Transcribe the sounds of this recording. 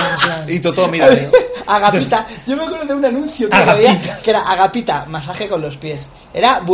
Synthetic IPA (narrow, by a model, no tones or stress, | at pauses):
ait̪ot̪oomiɾaaɣapit̪aʝo̞meakweɾðoeunanũnθjotoaβiake̞ɾaʔaɣapit̪amasaxeko̞nlo̞spje̞s | e̞̰ɾaβ